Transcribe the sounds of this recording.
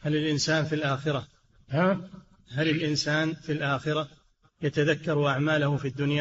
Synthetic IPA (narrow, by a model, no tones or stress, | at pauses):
halɪlʔɪnsaːnfilʔaːxɪɾa | ha | ɦalɪlʔɪnsaːnfilʔaːxɪɾa | jat̪aðakːɑɾˤʔaʕmaːlahʊfid̪ːʊnja